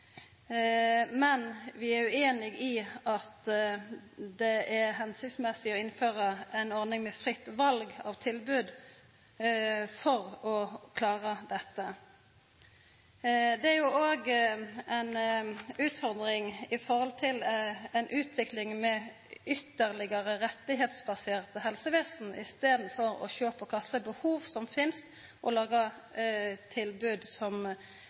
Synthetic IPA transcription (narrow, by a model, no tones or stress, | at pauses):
mɛnʋɪæʁʉeːnɪɡɪʔɑt̪ | d̪ɛʔæɦɛnsɪkt̪smɛsɪɔɪnføːʁəæɪnɔʁnɪŋmɛfʁɪt̪ːʋɑlɡɑ̰ʋt̪ʰɪlbʉːd̪ | fɔʁɔkʰlɑːʁəd̪ɛt̪ːə | d̪ɛæʁjuʔoːɡɛnʉːt̪fɔʁd̪ʁɪŋɪfɔʁɔlt̪ʰɪlɛɪnʔʉːt̪ʰʋɪklɪŋmɛ | ʏt̪ːəʁlɪɡəʁəʁɛt̪ːɪɦeːt̪sbɑseːʁt̪əhɛlsəʋeːsn̩ʔɪst̪eːd̪n̩fɔʁɔ̰çøːpɔkʰɑst̪əbəhuːʋsɔmfɪnst̪ | ʔɔlɑːɡɑ | t̪ʰɪlbʉːd̪sɔm